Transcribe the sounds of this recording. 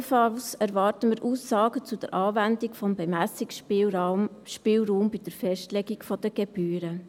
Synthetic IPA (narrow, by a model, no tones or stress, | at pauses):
fɑlsɛɾvɑːɾtəməɾʔuːsːɑːɡət͡sud̥ə̰ɾʔɑːvændikfɔmbemæsikʃpilmʃpɪːlɾuːmbid̥əɾfɛʃtlɛɡikfɔdəɡ̥eb̥yːɾə